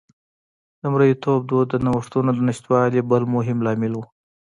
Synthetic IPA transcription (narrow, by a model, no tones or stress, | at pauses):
d̪əmɾəjit̪ʰob̚d̪od̪ːənawʂt̪unod̪ənɪʃt̪wɑlibəlmoɦɪmlɑmɪlwu